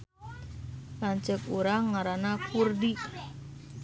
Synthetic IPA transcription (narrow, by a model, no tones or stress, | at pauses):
laɲt͡ʃəkuɾaŋːaɾanakurdi